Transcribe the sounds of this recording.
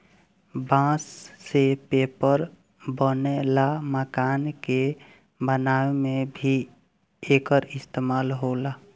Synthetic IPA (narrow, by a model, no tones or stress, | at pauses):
bãːsːepeːpəɾ | bənelaməkaːnke | bənaemebʱi | eːkəɾɪst̪emaːlɦola